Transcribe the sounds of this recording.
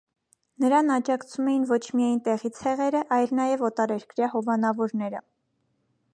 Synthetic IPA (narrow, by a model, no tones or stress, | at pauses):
nəɾɑnɑd͡ʒɑkt͡sʰumɛjinvɔt͡ʃʰmijɑjnt̪ɛʁit͡sʰhɛʁɛɾəʔɑjlnɑjɛvɔt̪ɑɾɛɾkɾjɑhɔvɑnɑvɔɾnɛɾə